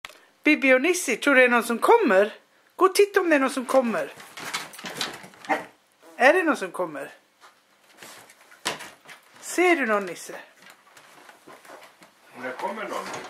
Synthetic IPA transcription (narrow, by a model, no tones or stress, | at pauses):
b̥ibɪɔnɪsət̪ʰɾuːɖʉɛnuːnsɔmkʰɔmːəɾ | ɡ̥ot̪ʰɪt̪ːɔmd̪ɛnuːnsɔmkʰɔmːəɾ | ɛɖɛnuːnsɔmkʰɔmːəɾ | seːɖʉnɔːnɪsə